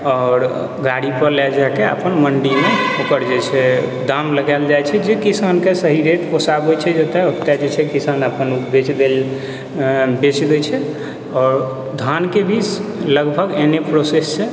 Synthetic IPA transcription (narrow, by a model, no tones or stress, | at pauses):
ɔːɾ | ɡaɽipəɾlɛd͡ʒakeə̰pənməɳɖimeokəɾd͡ʒɛt͡ʃʰɛd̪amləɡald͡ʒajt͡ʃʰɛd͡ʒekisankesəɦiɾeʈposabot͡ʃʰɛd͡ʒət̪eokt̪ad͡ʒet͡ʃʰɛkisanəpənubet͡ʃd̪e | bet͡ʃd̪ɛt͡ʃʰɛ | ɔːɾ | d̪ʱankebit͡ʃləɡbʱəɡenepɾosesːe